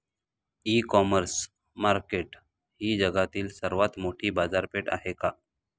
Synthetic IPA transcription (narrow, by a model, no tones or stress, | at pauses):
iːkɔməɾs | maɾkeʈ | ɦiːd͡ʒəɡat̪iːlsəɾʋat̪moʈʰibaːzaɾpeʈa̰ɦeka